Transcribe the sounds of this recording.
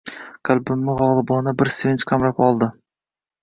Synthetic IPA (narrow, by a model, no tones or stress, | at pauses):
qʰɨlbɪmːɪʁɒlˠɨbɒnabɪɾsvent͡ʃqʰamɾapɒlˠd̪ɪ